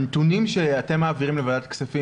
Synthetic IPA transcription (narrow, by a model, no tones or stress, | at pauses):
nt̪unimʃeate̞mːaːviʁimlevadat̪ksafi